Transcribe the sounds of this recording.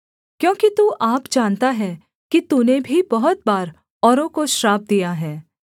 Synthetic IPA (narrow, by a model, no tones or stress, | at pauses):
kjõːkit̪uːʔaːpd͡ʒaːnt̪aɦɛː | kit̪unebʱibɐɦʊt̪̚baːɾ | ɔːɾõkoʃɾaːb̚d̪ijaɦɛː